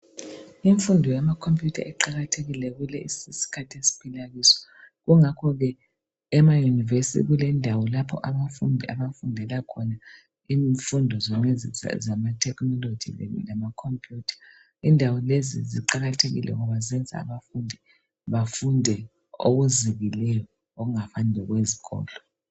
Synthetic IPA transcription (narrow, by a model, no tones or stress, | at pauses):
iɱfundʱɔjamakʰompʰʼjutʰa̰ʔɛǃaɣatʰeɣilɛɣulɛʔisisi̥kʰatʰesi̥pʰilaɣisɔ̥ɣuŋakʰɔɣɛ | ɛmajunivesitʰḭɣulɛndʱawɔlapʰɔʔaβafundʱɛaβafundʱɛlakʰɔna | iɱfundʱɔzɔmɛzḭzamatʰɛknɔlod͡ʒʱḭlamakʰompʰʼjuːtʰḁ | indʱawɔlezḭzḭǃaɣatʰeɣḭlʔɛ̰ɣɔβazɛnd͡zʱa̰ːβafundʱi | βafundʱɛ | o̰ɣuziβilɛjɔ | oɣuŋafandʱɛɣweziɣɔ̰ːlɔ